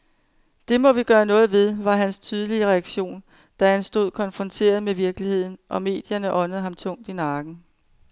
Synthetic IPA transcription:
d̥e̝mɒ̽ʋiɡ̥ɶːɐnɔ̽ːð̩ˠʋe̝ð̞ˠʋɑ̈ɦænst͡sʰyːð̞ˠəliəʁɛæɡ̥ɕo̝̰ːn | d̥æænsd̥o̝ð̞̰ˠkʰɒ̽nfʁɒ̽nt͡sʰe̝̰ːɐð̞̩ˠmeʋiɐɡ̥əlihe̝ð̞̰ˠn̩ʔɒ̽me̝̰ːd̥jɐnəʔɒ̽nð̞̩ˠhɑ̈mt͡sʰɔ̽ŋ̰d̥inɑ̈ːɡ̥n̩

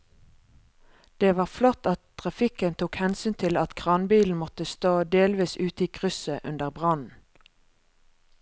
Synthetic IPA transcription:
d̪̥eːʋɑːʁflɔt̪ɑt̪t̪ʰʁɑfɪkənt̪ʰuːkhɛnsyːnt̪ʰɪlɑt̪kʰʁɑnbiːln̩mɔt̪əst̪oːd̪eːlʋiːsʉːt̪iːkʰʁʏsəʔʉnd̪əʁbʁɑnn̩

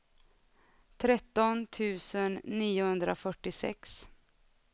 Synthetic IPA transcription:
t̪ʰɾɛt̪ːɔnt̪ʰʉ̟ːsənːiːʊhɵnd̪ɾa̰fœʈːɪsɛ̰ks

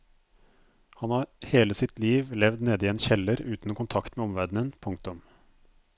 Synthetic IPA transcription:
hɑnhɑːɾheːləsɪt̪liːʋlɛʋd̪neːd̪əiːeːnçɛləɾʉːt̪n̩ɔːkʊnt̪ʰɑkt̪meːɔmʋæɖɳ̩ənpʰʊŋk̚t̪ʊm

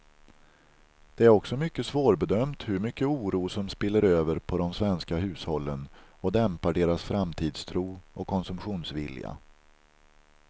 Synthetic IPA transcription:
d̪̥ɛæɾɔksɔmʏkːəsvoːɾbɛd̪œmt̪hɵɾmʏkːəuːɾuːsɔmspɪlːəɾøːvəɾpʰɔd̪ɔmsvɛnskaɦʉ̟ːshɔlːənɔd̪ɛmpaɖeːɾasfɾamt̪ʰiːd̪st̪ʰɾuːɔkʰːɔnsɵmpɧuːnsvɪ̰lja̰

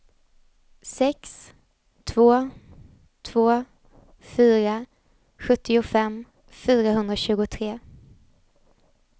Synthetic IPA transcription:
sɛks | t̪ʰvoː | t̪ʰvoː | fyːɾa | ɧɵt̪ʰːɪʊfɛmː | fyːɾaɦɵnd̪ɾaɕʉ̟ːɡʊt̪ʰɾeː

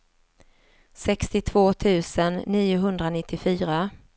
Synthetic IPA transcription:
sɛkst̪ɪt̪ʰv̥oːt̪ʰʉ̟ːsənːiːʊɦɵnd̪ɾanɪt̪ʰːɪfyːɾa

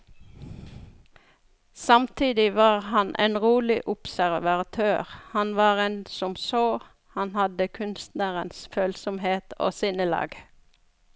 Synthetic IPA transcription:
sɑmt̪ʰiːd̪ɪʋɑːʁhɑnʔḛːnʁuːlɪʔʊpsæʁʋɑt̪ʰøːʁhɑnʋɑːʁeːnsɔmsoː | hɑnhɑd̪əkʰʉnst̪næːʁənsføːlsɔmheːt̪ʰo̰ːsɪnəlɑ̰ːɡ

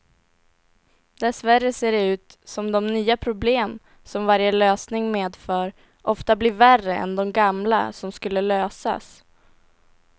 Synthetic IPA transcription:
d̪ɛsvæɾːəseːɖɛʉ̟ːt̪sɔmd̪ɔmnyːapʰɾʊbleːm | sɔmvaɾjəløːsnɪŋmeːd̪fœːɾ | ʔɔft̪ablɪværəɛ̰nd̪ɔmɡamla̰sɔmskɵlːəløːsa̰s

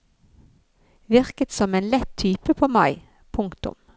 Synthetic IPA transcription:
ʋɪʁkət̪sɔmeːnlɛt̪ʰyːpəpʰoːmɑɪ | pʰʊŋkt̪ʊ̰m

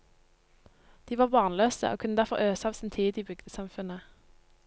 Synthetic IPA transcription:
d̪̥iːʋɑːʁʋɑːʁnløːsə̰ʔo̰ːkʰʉnəd̪æʁfɔʁøːsɑːʋsɪnt̪ʰiːd̪iːbʏɡd̪əsɑmfʉnə

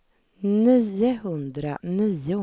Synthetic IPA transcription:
niːəɦɵnd̪ɾa̰niːʊ

